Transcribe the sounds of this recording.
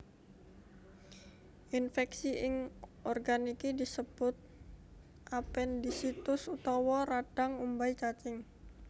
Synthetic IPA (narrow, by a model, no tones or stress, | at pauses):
ʔinfɛksiʔɪŋɔrɡanikidisəb̥ʊt̪̚ | ʔapɛndisit̪ʊsut̪ɔwɔɾaɖ̥aŋumbait͡ʃat͡ʃɪŋ